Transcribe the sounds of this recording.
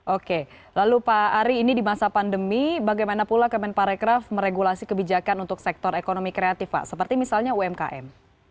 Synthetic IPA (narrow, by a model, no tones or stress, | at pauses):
ʔoke | lalupaːɾiːnidimasapandəmibaɡajmanapulakəmɛnpaɾekɾafməɾeɡulasikəbid͡ʒakanunt̪ʊksɛk̚t̪ɔɾekonomikɾeat̪ɪfpa̰ʔsəpərt̪imisalɲauɛmka̰ʔɛ̰m